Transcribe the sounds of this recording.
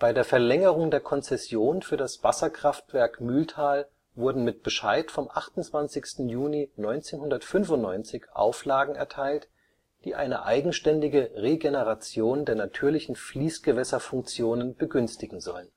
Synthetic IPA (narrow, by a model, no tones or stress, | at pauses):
b̥aɪdeːɐfɛɐlɛŋəʁ̞ʊŋdeːɐkʰɔnt͡sɛsjoːnfyːɐdasv̥asɐkʁ̥aftv̥ɛɐkmʏltʰaːl | vʊɐdn̩mɪt̚b̥əʃaɪtfɔmʔaχtʊntt͡sv̥ant͡sɪçstn̩juːninɔʏnt͡seːnhʊndɐtfʏnvʊntnɔʏnt͡sɪçʔa̰ʊflaːɡŋ̩ɛ̰ɐtʰaɪlt | d̥iːʔa̰ɪnəʔa̰ɪɡŋ̩ʃtɛndɪɡəʁeɡenəʁat͡sjoːndeːɐnatʰyːɐlɪçn̩fliːsɡ̥əvɛsɐfʊŋk̚t͡sjoːnənb̥əɡʏnstɪɡŋ̩zɔ̰lən